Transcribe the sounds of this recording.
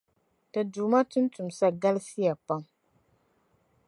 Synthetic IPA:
ta˨duː˨ma˦tʊ˦n˦tu˨m˨sa˦ɡa˦lsi˦ja˨pa˦m

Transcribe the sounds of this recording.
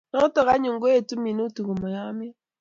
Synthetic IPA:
nɔ˦tɔ˨ɣa˦ɲu˨ŋ̩˨ɡo˦e˨tu˦mi˨no˦tu˨ɣo˨mɔ˨ja˦m˦i˦

